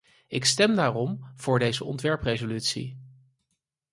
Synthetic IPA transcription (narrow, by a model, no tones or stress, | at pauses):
ɪkstɛmdaːrɔmv̥ʊːɹdejzəɔ̰ntʋɛɹprejzolytsḭ